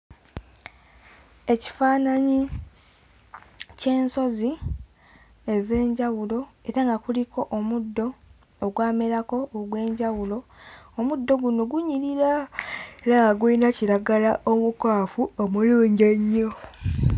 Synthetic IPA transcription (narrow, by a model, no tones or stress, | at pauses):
e̞ci̥faːnaɲi | ce̞ːnso̞zi | e̞ze̞ːɲɟawulo̞e̞ɾaŋɡakuliko̞ʔomudːo̞ː | ɡwaːmeɾako̞ːɡwe̞ːɲɟawulo̞omud̪ːo̞ɡuno̞ɡuɲiɾiɾae̞ɾaŋɡaɡwuinaciɾaɡalaʔomukwaːfuomuluːɲɟeɲːo̞